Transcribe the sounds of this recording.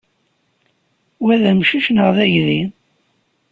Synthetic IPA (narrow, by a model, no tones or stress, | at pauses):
wæðæmʃiʃnəʁðæʝði